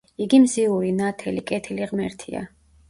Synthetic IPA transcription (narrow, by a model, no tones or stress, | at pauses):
iɡimziuɾinat̪ʰɛlikʼɛt̪ʰiliʁmɛɾt̪ʰḭa̰